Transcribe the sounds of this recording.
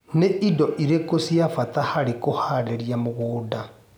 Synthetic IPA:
neʔidɔʔiɾekosjafatahaɾekohaɾɛɾiamoɣoːda

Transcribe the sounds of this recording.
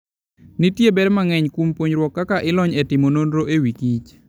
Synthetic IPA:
nitjebɛdmaŋɛɲkwumpwoɲɾwɔkːakaʔɪlɔɲetɪmononɾoʔewikit͡ʃ

